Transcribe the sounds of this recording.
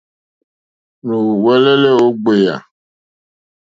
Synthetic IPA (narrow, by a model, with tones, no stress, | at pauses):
no˨wɛ˦le˦le˦o˦ɡ͡be˨ja̰˨